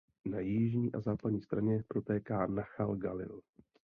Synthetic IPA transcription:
najɪʒɲiːʔazaːpadɲiːst̪ɾaɲɛpɾo̞t̪ɛːkaːnaxalɡalɪ̰l

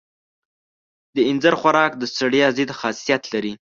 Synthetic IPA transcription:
d̪əɪnzaɾxwaɾɑkd̪əst̪aɽjɑzid̪xɑsijat̪laɾi

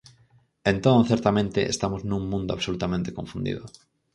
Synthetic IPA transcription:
ent̪õnθeɾt̪amẽnt̪ɪʔḛst̪amʊznũŋmũnd̪ʊa̰βsolut̪amẽnt̪e̥kõɱfund̪ḭðʊ

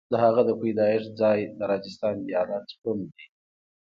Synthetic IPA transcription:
d̪̥əhaɣad̪əpujd̪ɑɪʂd͡zɑjd̪əɾɑd͡ʒɪst̪ɑnijɑlat̪pund̪i

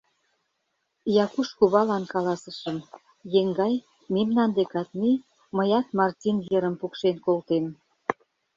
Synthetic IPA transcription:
jɑkuʃkuβɑlɑnkɑlɑsəʃəm | jeŋɡɑj | memnɑnd̪ekɑt̪̚mi | məjɑt̪mɑrtʲinjəɾə̆mpukʃenkolt̪em

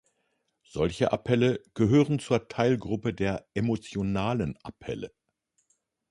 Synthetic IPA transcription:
z̥ɔlçəʔapʰɛləɡ̥əɦøːʁən̩t͡suːɐtʰaɪlɡʁʊpədeːɐʔemot͡sjonaːlənʔapʰɛ̰lə

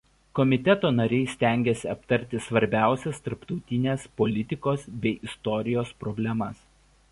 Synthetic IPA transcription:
kɔmʲɪt̪ʲɛt̪oːnɐɾʲɛɪsʲt̪ʲæˑŋʲɡʲesʲɪɐpt̪ɐɾʲt̪ʲɪsʋɐɾʲbʲæˑʊsʲɛst̪ɐɾpt̪ɒʊt̪ʲɪnʲeːspɔlʲɪt̪ʲɪkoːsbʲɛɪʔɪst̪ɔɾʲɪjoːspɾɔbʲlʲɛmɐs

